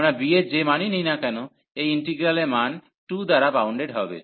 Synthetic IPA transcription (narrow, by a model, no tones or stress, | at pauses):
nabied͡ʑemaninijnakɛno | ejiɳʈiɡɾaleman | ʈud̪aɾabawɳɖeɖɦɔbḛ